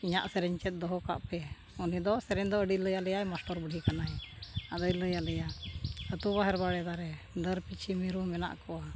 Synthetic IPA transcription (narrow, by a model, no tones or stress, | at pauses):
iɲaʔsɛɾɛɲt͡ʃɛt̪̚ˀd̪ɔɦɔka̰ʔpɛ | unid̪ɔsɛɾɛɲd̪ɔəɖiləjalɛjajmasʈɔɾbəɽʱikanajad̪əjləjalɛjaət̪ubaɦɛɾbaɽɛd̪aɾɛ | d̪əɾpit͡ʃʰimiɾumɛna̰ʔkɔa